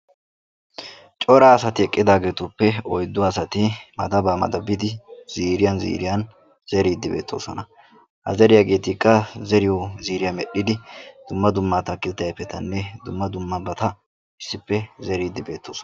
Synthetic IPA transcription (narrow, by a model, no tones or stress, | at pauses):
t͡ʃʼɔɾaːsɐt̪ɪɛkʼːɪd̪aːɡe̞ːt̪ʊpːɛɔjd̪ːʊɐsɐt̪ɪmɐd̪ɐbaːmɐ̰d̪ɐbːɪd̪ɪz̥iːɾɪjɐnzḭːɾɪjɐn | z̥ɛɾiːd̪ːɪbe̞̰ːt̪ʰːo̞̰ːsɔnɐ | hɐ̰zɛɾɪjaɡe̞ːt̪ɪkːɐzɛɾɪjɔziːɾɪjɐmɛɗːɪd̪ɪd̪̥ʊmːɐd̪ʊmːaːt̪ɐkːɪt̪ːɐjpːɛt̪ɐnːɛd̪ʊmːɐd̪ʊmːɐbɐt̪ɐ | ɪsːɪpːɛzɛɾiːd̪ːɪbe̞ːt̪ːo̞ːsɔ̥n